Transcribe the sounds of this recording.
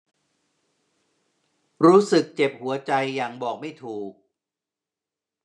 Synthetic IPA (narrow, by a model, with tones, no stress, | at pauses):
ɾuː˦˥sɯ˨˩k̚t͡ɕe˨˩p̚hu˩˦ɐt͡ɕa˧jːaː˨˩ŋbɔː˨˩k̚ma˥˩jt̪ʰuː˨˩k̚